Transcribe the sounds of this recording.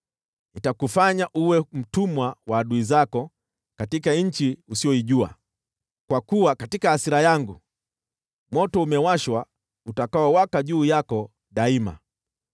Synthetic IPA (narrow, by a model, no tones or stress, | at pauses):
nitakufaɲaʔuwɛm̩tumwawaːɗuizakɔ | katikaɲ̩t͡ʃiusiɔiʄua̰ | kwakuwakatikaːsiɾajaŋɡu | mwɔtɔumɛwaʃwa | utakaɔwakaʄuːjakɔ | ɗaima̰